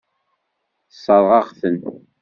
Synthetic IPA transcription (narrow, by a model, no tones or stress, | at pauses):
sˤːɑðˤʁɑʁθən